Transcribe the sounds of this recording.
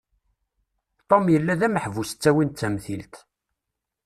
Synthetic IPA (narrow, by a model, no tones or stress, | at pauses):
t̪ˤomjəlːæðæməħvusə̥t͡sːæwint͡sːæmθilt̪